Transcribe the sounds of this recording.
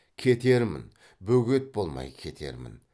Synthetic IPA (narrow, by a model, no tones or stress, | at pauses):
kʲʰe̞t̪e̞ɾmɪ̰n | bɵɡʲe̞t̪̚bo̞lˠmɑ̰jkʲʰe̞t̪ʰe̞̰ɾmɪ̰n